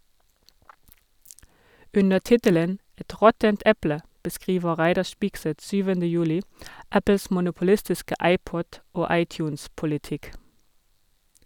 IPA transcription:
ˈʉnə ˈtɪtələn ˈɛt ˈʁɔtənt ˈɛplə bəˈskʁiːʋə ˈʁæɪdɑɾ ˈʃpɪɡsɛt ˈsyːʋəndə ˈjʉːlɪ ˈæpl̩s mʊnʊpl̩ˈɪstɪskə ˈɑɪˌpɔd ˈoː ˈɑɪˌtjʉːnspʊlɪˌtɪk

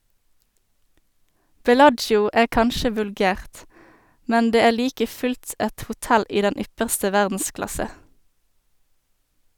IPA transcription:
bɛˈlɑd͡ʒjʊ ˈæː ˈkɑnʃə ʋʉlˈɡæːʁt ˈmɛn ˈdeː ˈeː ˈliːkə ˈfʉlt ˈɛt hʊˈtɛl ˈiː ˈdɛn ˈʏpəʁstə ˈʋæʁdn̩ˌsklɑsə

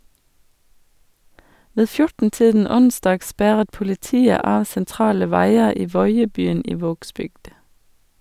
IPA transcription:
ˈʋeː ˈfjʊʈn̩ ˈtiːdn̩ ˈʊnsdɑːɡ ˈspæʁət pʊlɪˈtiːə ˈɑː sɛnˈtɾɑːlə ˈʋæɪə ˈiː ˈʋɔʏəbyːn ˈiː ˈʋoːɡsbʏɡd

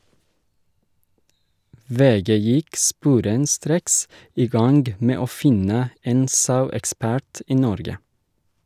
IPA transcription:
ˈʋeːˌɡeː ˈjɪk ˈspuːɾənˌstɾeːks ˈiː ˈɡɑŋɡ ˈmeː ˈoː ˈfɪnə ˈeːn ˈsɑʉɛkˌspæɾt ˈiː ˈnɔɾɡə

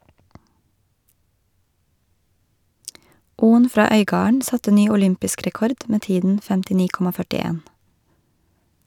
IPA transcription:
ˈuːən ˈfɾɑː ˈœʏˌɡɑːəɳ ˈsɑtə ˈnyː ʊˈlʏmpɪsk ɾɛˈkɔɾd ˈmeː ˈtiːdn̩ fɛmtɪˈniː ˈkɔmɑ fœʈɪˈeːn

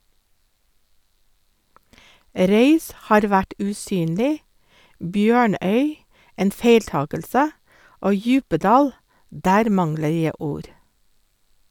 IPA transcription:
ˈɾœʏs ˈhɑːɾ ˈʋæʈ ʉːˈsyːnlɪ ˈbjøːˌɳœʏ ˈeːn ˈfeɪlˌtɑːkəlsə ˈoː ˈjʉːpəˌdɑːl ˈdæːɾ ˈmɑŋlə ˈjæ ˈuːɾ

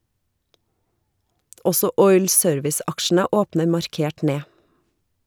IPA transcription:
ˈɔsɔ ˈɔʏl ˈsøːɾʋɪs ˈɑkʃn̩ə ˈoːpnə mɑɾˈkeːʈ ˈneː

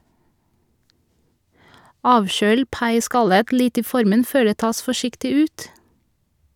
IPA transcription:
ˈɑːʋˌʃøːl ˈpɑɪˌskɑlət ˈlɪt ˈiː ˈfɔɾmən ˈføː ˈdeː ˈtɑːs fɔˈʃɪktɪ ˈʉːt

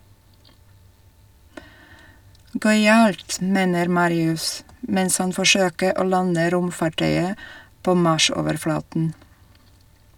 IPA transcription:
ˈɡœʏɑlt ˈmeːnəɾ ˈmɑːɾɪʉs ˈmɛns ˈhɑn fɔˈʃøːkə ˈoː ˈlɑnə ˈɾʊmfɑˌʈœʏə ˈpoː ˈmɑʃ ˈoːʋəɾˌflɑːtn̩

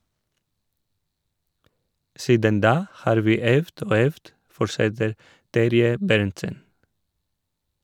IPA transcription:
ˈsiːdən ˈdɑː ˈhɑːɾ ˈʋiː ˈœʋd ˈoː ˈœʋd ˈfɔɾʃɛtəɾ ˈtæɾjə ˈbæɾntsən

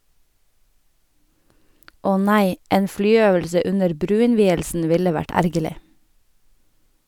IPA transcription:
ˈɔ ˈnæɪ ˈeːn ˈflyːˌøːʋəlsə ˈʉnəɾ ˈbɾʉːɪnˌʋiːəlsn̩ ˈʋɪlə ˈʋæʈ ˈæɾɡəlɪ

